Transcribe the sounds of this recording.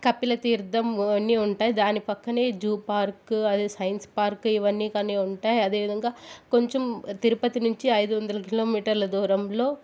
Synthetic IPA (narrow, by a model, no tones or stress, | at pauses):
kɐpːilɐt̪iːɾd̪ɐmnːiːuɳʈaːjid̪aːnipɐkːɐne̞ːd͡ʒuːpaːɾkɐd̪isɐjnspaːɾkiʋɐnːiːkɐneːuɳʈaːjiɐd̪e̞ːʋid̪ʱɐŋɡaːko̞ɲt͡ʃɐmt̪iɾupɐt̪inuɲt͡ʃiɐjd̪uʋɐnd̪ɐlɐkilo̞ːmiːʈɐɾlɐd̪uːɾɐmlo̞ː